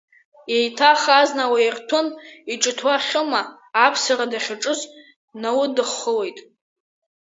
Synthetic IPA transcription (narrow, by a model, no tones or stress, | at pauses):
jejtʰaχaznawairtʰʊniʈ͡ʂʼɨtʰwaχʲʊmaː | pʰsaradaχʲaʈ͡ʂʼɨz | nawʊdɨχːəle̞jtʼ